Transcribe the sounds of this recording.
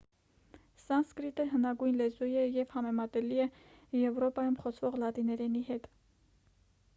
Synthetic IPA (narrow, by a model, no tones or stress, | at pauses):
sɑnskɾit̪əɦənɑɡujnlɛzujɛjɛvhɑmɛmɑt̪ɛliɛ | jɛvɾɔpɑjumχɔt͡sʰvɔʁlɑt̪inɛɾɛniɦɛt̪